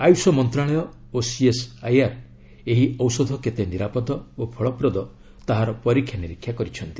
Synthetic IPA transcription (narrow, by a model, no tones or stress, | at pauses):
ajusɔmɔnt̪ɾaɭ̃ɔjɔ | osiesajaɾ | eɦiɔwsɔd̪ʱɔket̪eniɾapɔd̪ɔopʰɔɭɔpɾɔd̪ɔ | t̪aɦaɾɔpɔɾikʰjaniɾikʰjakɔɾit͡ʃʰɔnt̪i̥